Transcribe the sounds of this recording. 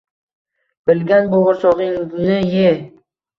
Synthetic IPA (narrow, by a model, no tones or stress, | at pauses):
b̥ɪlɡʲanboʁʊɾsɒʁɪŋɪznɪje